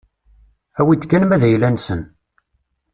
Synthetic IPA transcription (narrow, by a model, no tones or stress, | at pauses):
æwid̪kːænmæðæjlːænsən